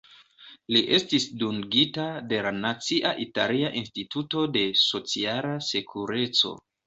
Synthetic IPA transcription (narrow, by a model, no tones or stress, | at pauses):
liʔe̞stisduŋɡitade̞lanat͡siʔaʔitaliaʔinstituto̞de̞so̞t͡sialase̞kʰuɾe̞t͡so̞̰